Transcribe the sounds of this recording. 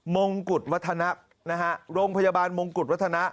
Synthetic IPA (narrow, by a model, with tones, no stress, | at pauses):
mo˧ŋku˨˩t̪̚wa˦˥t̪ʰːa˧na˦˥ʔ | na˦˥kʰa˦˥ʔɾoː˧ŋpʰa˧jaː˧baː˧nmo˧ŋku˨˩t̪̚wa˦˥t̪ʰːa˧na˦˥ʔ